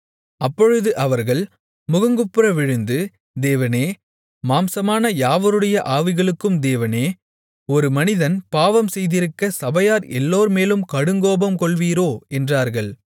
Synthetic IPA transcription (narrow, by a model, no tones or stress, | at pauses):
ɐpːɔɻɯðɯʔɐʋɐɾɣɐɭ | mʊɣɐŋɡɯpːɯɾɐʋɪɻɯnd̪ɯ | d̪eːʋɐneː | maːmsɐmaːnɐjaːʋɐɾɯɽɐjɐʔaːʋɪɣɐɭɯkːɯmd̪eːʋɐneː | ɔɾɯmɐnɪðɐnpaːʋɐmsɛjðɪɾɯkːɐsɐbɐjaːɾɛ̰lːoːɾmeːlɯmkɐɽɯŋɡoːbɐmkɔɭʋiːɾoːɛndraːɾɣɐɭ